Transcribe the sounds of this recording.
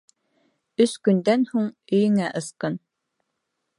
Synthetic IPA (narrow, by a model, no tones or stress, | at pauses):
ɵskɵ̆nd̪ænhuɴɵ̆jɘ̆ŋæʔɤ̆sqɤn